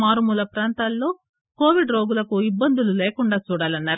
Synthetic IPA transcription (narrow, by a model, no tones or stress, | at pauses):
maːɾumulɐpɾaːnt̪aːlːo̞ː | ko̞ːʋiɖɾo̞ːɡulɐkuibːɐnd̪ululeːkuɳɖaːt͡ʃuːɽaːlɐnːaːɾu